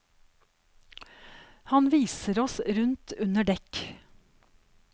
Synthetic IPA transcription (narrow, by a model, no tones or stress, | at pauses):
hɑnʋiːsəɾɔsɾʉnt̪ʰʉnəɖɛk